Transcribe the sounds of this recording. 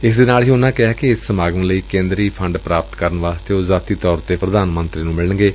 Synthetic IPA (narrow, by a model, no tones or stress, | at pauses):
ɪsd̪enaːliːʊnãːkɪɦɛːkiɪsːəmaːɡñːləiːkẽːnd̪ɾiːpʰəɳɖpɾaːpət̪kəɾənʋaːst̪eːoːzaːt̪iːt̪ɔːɾt̪eːpɾəd̪aːnmə̃nt̪ɾiːnũːmɪlənɡeː